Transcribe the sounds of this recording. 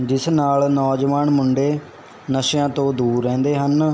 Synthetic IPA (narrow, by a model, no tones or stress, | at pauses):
d͡ʒɪsnaːlnɔːd͡ʒʋaːnmʊɳɖeː | nəʃjãːt̪õːd̪uːɾːɛ̃ːnd̪eːɦən